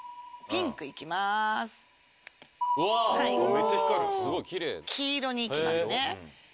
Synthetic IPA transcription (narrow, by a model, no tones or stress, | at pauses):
pʲĩŋkɯ̟ikʲimasɨ̥ | ahaioet͡ɕːaçi̥kaɾit̪sɨɡo̞ikʲiɾḛːkʲʰiːɾo̞ɲ̟iːimmasne